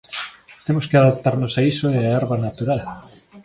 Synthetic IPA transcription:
t̪emoskeaðap̚t̪aɾnosaisoeaɛɾβanat̪uɾal

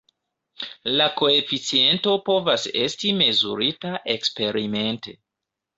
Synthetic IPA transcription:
lako̞e̞fit͡sie̞nto̞po̞vase̞̰stime̞zṵɾitaʔe̞kspe̞ɾime̞nte

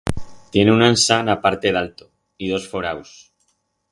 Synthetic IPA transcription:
t̪je̞neunansanapaɾt̪e̞ðalt̪o | ið̞o̞sfoɾaws

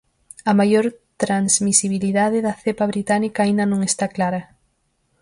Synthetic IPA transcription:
ɐmajoɾt̪ɾanzmisiβiliðaðɪðɐθepɐβɾit̪anikɐːind̪ɐnõŋest̪aklaɾɐ

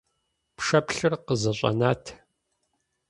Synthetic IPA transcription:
pʂɐpɬɨrqəzɐɕʷʼɐ̰naːtʰ

